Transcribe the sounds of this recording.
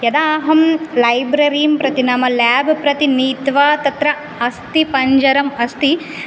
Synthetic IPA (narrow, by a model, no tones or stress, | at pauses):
jɐd̪aːɦɐmlɐjbɾɐɾijɐmpɾɐt̪inamɐlaːbʱpɾɐt̪iniːt̪ʋaːt̪ɐt̪ɾɐ | ɐst̪ipɐɲd͡ʒɐɾɐmɐst̪i